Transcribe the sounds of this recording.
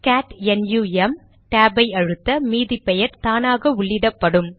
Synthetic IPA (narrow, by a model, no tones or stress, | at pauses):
kaːʈɛnjuːɛm | ʈaːbɐɪɐɻɯt̪ːɐmiːðɪpːɛjɐɾt̪aːnaːɣɐʊɭːɪðɐpːɐɽɯm